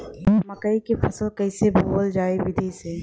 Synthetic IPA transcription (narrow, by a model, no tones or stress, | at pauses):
mɐkəikepʰɐsəlkɐɪsebʱoːld͡ʒaːeʋɪd̪ʱise